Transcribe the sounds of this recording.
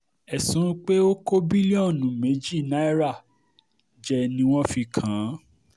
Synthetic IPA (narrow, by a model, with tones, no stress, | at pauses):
ɛ˨sũ˨˦k͡pe˦o˦ko˦bi˦li˦ɔ̃˦˨nũ˨˦me˨˦d͡ʒi˦˨na˨˦i˦ɾa˦˨ | d͡ʒɛ˧nĩ˧w̃ɔ̃˦fi˧kʰã˨˦